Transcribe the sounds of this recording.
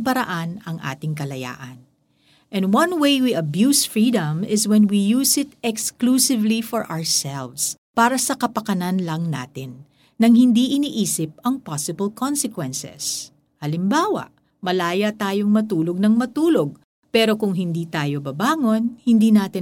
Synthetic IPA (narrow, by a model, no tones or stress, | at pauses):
pɐɾɐ̰ʔanɐŋʔa̰ːt̪ɪŋkɐlɐja̰ːʔɐn | ʔɛ̃nd̪wɐ̃nwejwiʔɐbjusfɹid̪ɐ̃mɪswɛnwijuːsɪt̪̚ɛksklusɪvlifɔɹʔa̰ɹsɛlvs | paːɾɐsɐkɐpɐkɐnɐnlɐŋna̰ːt̪ɪnː | ɐŋhɪnd̪iʔɪniʔiːsɪp̚ɐŋpasɪbɐlkʰonsɛkwɛnsɛ̰s | hɐlɪmbaːwɐ̰ʔ | mɐlaːjɐt̪aːjo̞ŋmɐt̪uːlo̞ɡ̚nɐŋmɐt̪uːloɡ̚ | pɛːɾo̞kʊŋɦɪnd̪iːt̪aːjo̞bɐbaːŋo̞nhɪnd̪iːnaːt̪ɪn